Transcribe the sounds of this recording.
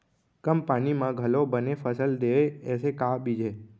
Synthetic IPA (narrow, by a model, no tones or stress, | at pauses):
kəmpañimãɡʱəlobənefəsəld̪eʋeesekabid͡ʒʱe